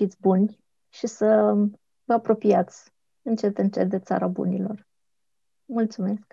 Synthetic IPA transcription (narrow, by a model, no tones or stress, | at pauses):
fit̪sʲbunʲ | ʃisə | vəapɾo̞piat̪sʲ | ɨnt͡ʃe̞t̪ɨnt͡ʃet̪̚d̪et̪sa̰ɾabṵnilo̞̰r | mult̪sume̞sk